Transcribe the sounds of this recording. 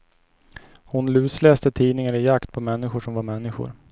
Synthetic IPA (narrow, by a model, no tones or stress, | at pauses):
hʊnlʉ̟ːslɛːst̪ət̪ʰiːnɪŋaɾɪjakt̪̚pʰɔmɛnːɪɧʊʂɔmvaɾmɛnːɪɧʊ̰ɾ